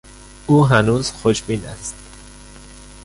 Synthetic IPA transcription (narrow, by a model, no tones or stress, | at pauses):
ʔuːɦænuːz̥xoʃbiːnæ̰st̪